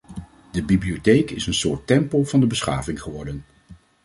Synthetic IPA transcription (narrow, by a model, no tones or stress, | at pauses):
dəbibliotejkɪsənsʊːɹtːɛmpolˠvɑndəbəsχa̰ːvɪŋχəʋɔɹdən